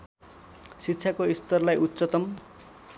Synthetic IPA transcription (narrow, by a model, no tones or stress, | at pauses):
sitːt͡sʰjakoist̪ʌrlajut̪ːt͡sʌt̪ʌm